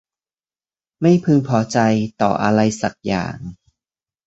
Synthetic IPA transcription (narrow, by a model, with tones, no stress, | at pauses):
ma˥˩jpʰɯ˧ŋpʰɔː˨˦t͡ɕa˧jt̪ɔ̰ː˨˩ʔa˧ɾa˧jsa˨˩k̚ja̰ː˨˩ŋ